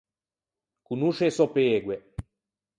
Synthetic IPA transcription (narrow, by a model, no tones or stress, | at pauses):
kunuʃesɔpeːɡwe